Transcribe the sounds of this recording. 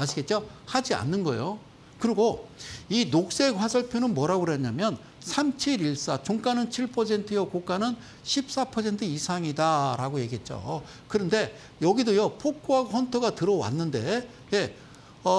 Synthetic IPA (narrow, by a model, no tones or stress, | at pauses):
aɕʰiɡe̞t̚t͡ɕ͈ohad͡ʑia̰nːɯnɡʌ̰jo | kɯɾiɡoinok̚s͈e̞ɸwasʰʌɭpʰjonɯnmwʌɾaɡɯɾʌɲamjʌn | sʰamt͡ɕʰiɾiɭs͈at͡ɕoŋk͈anɯnt͡ɕʰiɭpʰʌs̬ʰe̞ntʰɯjʌkok͈anɯn | ɕʰip̚s͈apʰʌs̬ʰe̞ntʰɯisʰaŋidaɾaɡoje̞ɡiɦe̞t̚t͡ɕ͈o̰ | kɯɾʌnde̞ | jʌɡidojʌpʰok͈ʰoɦaɡoɸʌntʰɯɡatɯɾʌwa̰nːɯnde̞ | je̞ | ʌ